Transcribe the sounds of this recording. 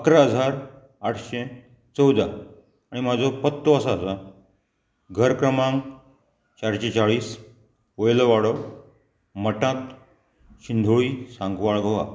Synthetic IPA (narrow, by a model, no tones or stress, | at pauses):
əkɾaːd͡zʱaɾ | aʈʰɕe | t͡səwd̪a | aɽ̃imad͡zʱopət̪ːoəsaːsa | ɡʱəɾkɾəmãŋɡ | t͡ɕaɾɕet͡saɭiːs | ojlʋaɽə | məʈãt̪ | ɕind̪ʱuɭiːsãŋɡʋaɭɡəʋa̰